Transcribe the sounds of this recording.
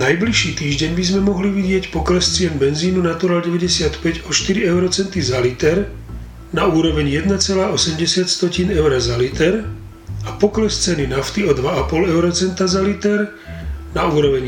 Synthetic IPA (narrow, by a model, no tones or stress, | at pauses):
najbliʃiːt̪iːʒɟɛɲbizmɛmɔɦliʋiɟɪɛcpɔklɛst͡sɪɛnbɛnziːnunat̪uɾalɟɛʋɛɟɛsɪat̪pɛɟɔʃt̪iɾiɛʊɾɔt͡sɛnt̪izalit̪ɛɾ | nauːɾɔʋɛɲjɛd̪nat͡sɛlaːɔsɛmɟɛsɪat̪st̪ɔciːnɛʊɾazalit̪ɛɾ | apɔklɛst͡sɛninaft̪iɔd̪ʋaapɔlɛʊɾɔt͡sɛnt̪azalit̪ɛɾ | nauːɾɔʋɛɲ